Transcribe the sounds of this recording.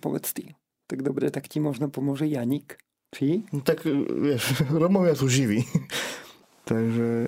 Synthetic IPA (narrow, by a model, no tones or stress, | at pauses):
po̰vɛ̰t͡st̪ḭː | t̪aɡd̪obɾɛt̪akcimoʒnapomuʒɛjaɲik | t͡ʃinot̪akvjɛʃɾɔmɔvjasowʒivi | t̪aɡʒɛ